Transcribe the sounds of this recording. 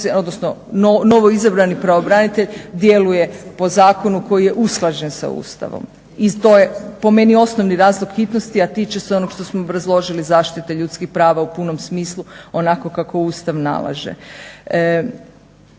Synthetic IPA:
o̞d̪nosnonono̞ʋoizabɾanipɾaobɾanit̪e̞ʎd̪je̞luje̞po̞zaːko̞nuko̞jije̞ʔusklˠad͡ʑe̞nsa̰ṵːst̪a̰ʋo̰m | it̪o̞jepo̞me̞nio̞snoʋniɾaːzlˠoɡ̥xit̪nost̪iat̪it͡ʃeseo̞noɡʃt̪osmoːbɾazlˠo̞ʒilizaːʃt̪it̪eʎut̪skixpɾaːʋaupuno̞msmiːslˠuo̞nako̞kako̞uːst̪aʋna̰lˠa̰ʒḛ

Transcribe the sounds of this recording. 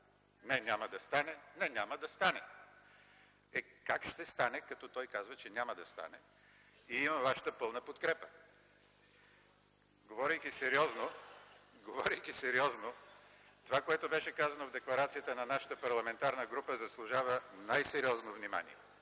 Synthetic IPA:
nɛnʲaməd̪ɐst̪anɛnɛnʲaməd̪ɐst̪anɛ | ɛkakʃt̪ɛst̪anɛkɐt̪ɔt̪ɔjkazvət͡ʃɛnʲaməd̪ɐst̪a̰nɛ | iimɐvaʃə̥t̪əpɤlˠnəpot̪kɾɛpə̥ | ɡovɔɾijkʲisɛɾiɔzno | ɡovɔɾijkʲisɛɾiɔzno | t̪ovakoɛt̪obɛʃɛkazɐnovd̪ɛklˠɐɾat̪sijət̪ənɐnaʃə̥t̪əpɐɾlˠɐmɛnt̪aɾnəɡɾupəzɐslˠʊʒavənajsɛɾiɔznovnima̰nḭɛ

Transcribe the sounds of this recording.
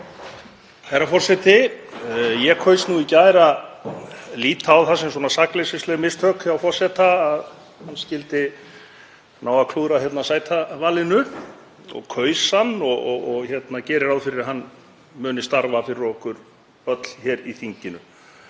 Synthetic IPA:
θajɾafɔr̥sɛt̪ɪ | jɛkʰœɥsnuicaːjɾa | liːt̪ʰaːwθasɛmswɔːnasaklesɪstlɛɣmɪst̪hœkjaawfɔr̥sɛt̪aːð | hanːscɪlt̪ɪ | naːwakʰluːɾaçjɛt̪nasaːjt̪ʰavaːlɪnʏ | ɔ̰ɣkʰœːɥshanːɔɔɣɔɣçɛt̪nacɛːɾɪɾawðfɪɾɪɾaɦanː | mʏːnɪst̪aɾvafɪɾɪɾɔhkʏɾ | œt̪l̥çɛɾiθiɲcɪnʏ

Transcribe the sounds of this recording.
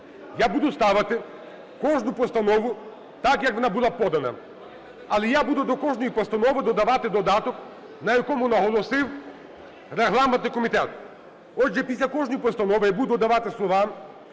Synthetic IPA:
jabud̪ʊst̪aʋɐt̪ɪ | kɔʒnʊpɔst̪ɐnɔʋʊ | t̪akjɐkʋɔnabulˠapɔd̪ɐnɐ̰ | ɐlˠɛjabud̪ʊd̪ɔkɔʒnɔjipɔst̪ɐnɔʋɪd̪ɔd̪ɐʋat̪ɪd̪ɔd̪at̪ɔk | nɐjɐkɔmʊnɐɦɔlˠɔsɪw | rɛɦlˠamɛnɪkɔmʲit̪ɛt̪ | ɔʒɛpʲisʲlʲɐkɔʒnɔjipɔst̪ɐnɔʋɪjabud̪ʊɔd̪ɐʋat̪ɪslˠɔʋam

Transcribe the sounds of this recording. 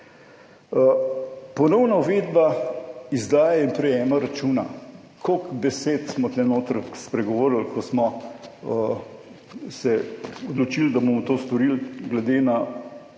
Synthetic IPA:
pɔnɔwnauʋeːd̪baizd̪aːjainpɾɛjɛːmaɾat͡ʃuːna | kʰokbɛseːt̪smɔt̪lɛnoːt̪ɾəkspɾɛɡɔʋoːɾl̩kɔsmɔ | sɛɔd̪lɔt͡ʃild̪abomɔt̪oːst̪ɔɾilɡlɛd̪eːna

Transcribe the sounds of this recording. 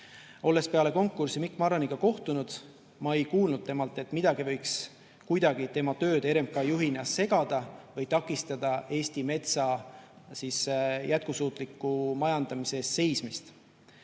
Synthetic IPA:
o̞lːe̞spe̞ɑle̞ko̞ŋkːˑursimikːˑmɑɾɑniɡ̥ɑko̞ht̪unud̪̥ | mɑe̞jkuːlnud̪̚t̪e̞mɑlt̪ːˑe̞t̪ːˑmid̪̥ɑɡivɤjks | kujd̪̥ɑɡ̥it̪e̞mɑt̪ø̞ːd̪̥e̞ɾemkɑjuɦinɑsːe̞ɡ̥ɑd̪̥ɑvɤjt̪ɑkːˑist̪ɑd̪̥ɑʔe̞ːst̪ime̞t̪sɑ | siːsjæt̪̚kusuːt̪ˑlikːˑumɑjɑnd̪̥ɑmisest̪se̞jsmist̪

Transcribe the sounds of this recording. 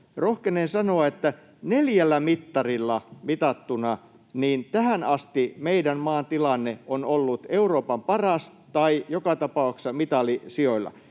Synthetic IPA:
rohkenensɑnoɑet̪ːæ | neljælːæmit̪ːɑrilːɑmit̪ɑt̪ːunɑ | niːnt̪æhænɑst̪imeidænmɑːnt̪ilɑnːeonolːut̪euroːpɑmpɑrɑs | t̪ɑijokɑt̪ɑpɑuksɑmit̪ɑlisioilːɑ̰

